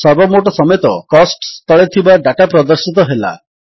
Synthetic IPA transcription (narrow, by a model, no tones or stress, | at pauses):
sɔbɔmoʈ̬ɔsɔmet̪ɔkɔsʈst̪ɔɭet̪ʰibaɖaʈapɾɔd̪ɔɾsit̪ɔɦela̰